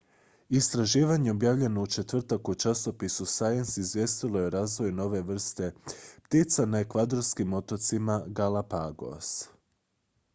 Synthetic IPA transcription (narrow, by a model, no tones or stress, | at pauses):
ist̪ɾaʒiːʋaɲe̞objaːʋʎe̞no̞ut͡ʃe̞t̪ʋr̩t̪akut͡ʃaso̞pisusajensizʋje̞st̪ilˠo̞jeɾaːzʋo̞jno̞ʋe̞ʋr̩st̪e̞pt̪it̪sanaekʋad̪o̞ɾskimo̞t̪ot̪simaɡalapaɡo̞̰s